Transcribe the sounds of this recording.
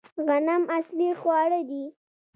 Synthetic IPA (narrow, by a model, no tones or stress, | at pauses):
ɣanamaslixwɑɽəd̪i